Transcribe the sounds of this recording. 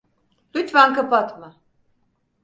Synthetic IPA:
lʲyt̪vankapat̪mɯ

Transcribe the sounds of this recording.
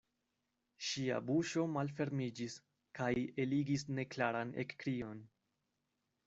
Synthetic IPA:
ʃia̰buʃo̞malfe̞ɾmid͡ʒis | kaje̞liɡisne̞klaɾanḛkːɾio̞n

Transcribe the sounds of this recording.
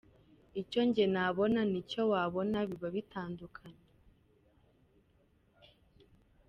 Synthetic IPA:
ico̞ɲɟe̞naβo̞nanico̞waːβo̞naβiβaβitaːndukʰaɲe

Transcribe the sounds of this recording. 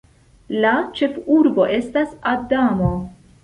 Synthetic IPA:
lat͡ʃe̞fuɾbo̞ʔe̞stasadamo̞

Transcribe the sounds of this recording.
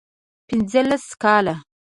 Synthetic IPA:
pɪnzəlaskɑla

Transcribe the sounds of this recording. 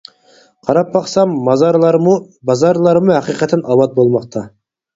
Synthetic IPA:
qʰɑɾɑpːɑqsɑmːɑzɑɾˠɾ | bɑzɑɾlˠɑɾmʊhæqiqɛt̪ʰːɛnʔɑwɑt̪̚bolˠmɑqt̪ʰɑ

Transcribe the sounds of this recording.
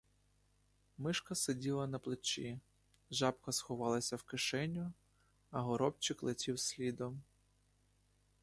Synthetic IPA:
mɪʃkɐsedʲilˠɐnɐplˠɪt͡ʃi | ʒɑpkɐsxɔʋɑlˠɐsʲɐwkɪʃɛnʲːʊ | ɐɦɔɾɔpt͡ʃɪklˠetʲiwsʲlʲid̪ɔm

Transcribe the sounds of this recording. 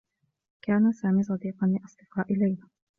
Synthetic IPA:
kaːnasaːmiːs̬ˤɑd̪iːqɑnlɪʔɑsˤd̪̥ɨqɑːʔɪlajla

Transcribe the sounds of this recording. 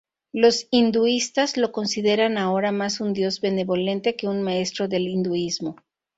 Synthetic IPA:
lo̞sind̪uist̪azlo̞ko̞nsiðe̞ɾanao̞ɾamasund̪jo̞zβe̞ne̞βo̞le̞nt̪e̞ke̞unmae̞st̪ɾo̞ðe̞lind̪uizmo̞

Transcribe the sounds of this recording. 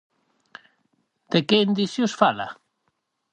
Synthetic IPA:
d̪̥ekeind̪iθjosfala̰

